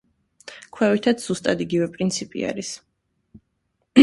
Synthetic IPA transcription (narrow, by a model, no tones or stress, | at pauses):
kʰwɛvit̪ʰat̪sz̥ust̪ʼad̪iɡivɛpʼɾint̪sʰipʼḭa̰ɾis